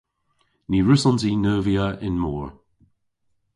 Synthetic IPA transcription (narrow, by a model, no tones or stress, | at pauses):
niɹʉsɔnzinɜːviəɪnmɔːɹ